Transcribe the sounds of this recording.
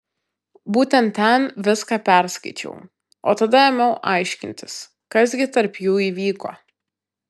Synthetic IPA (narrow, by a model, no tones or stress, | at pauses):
buːt̪ʲɛnt̪ʲːɛnʋʲɪskɑːpʲæɾskɐɪt͡ʃʲɛ̰ʊ | o̰ːt̪ɐd̪ɐɛmʲɛʊʔɐɪʃʲkʲɪnʲt̪ʲɪs | kɐs̬ɡʲɪt̪ɐɾpjuːiːʋʲiːko̰ː